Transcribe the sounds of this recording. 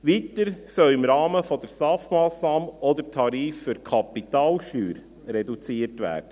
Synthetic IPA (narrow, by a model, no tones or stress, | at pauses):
ʋiːtəɾsœlɪmɾɑːməfɔd̪əɾsɑːfmɑːsnɑːmɔd̪əɾtʰɑɾiːfːyɾkʰɑpit̪ɑːlʃtyːɾ | ɾɛdut͡siːərtʋæ̰ːɾd̥ə